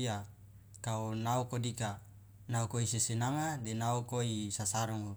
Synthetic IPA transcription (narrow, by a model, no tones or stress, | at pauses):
a | kaonaukodika | naukoisesenaŋadenaukoisasaɾɔŋ